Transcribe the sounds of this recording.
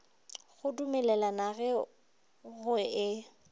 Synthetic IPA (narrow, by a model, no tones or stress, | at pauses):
ɣʊdumɛlɛlanaɣɛ | ɣʊɪ